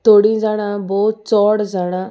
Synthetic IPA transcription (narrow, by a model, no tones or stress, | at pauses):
t̪oːɽĩːd͡ʒaːɽ̃aːbɔːt̪̚t͡ʃɔːɽzaːɽ̃aː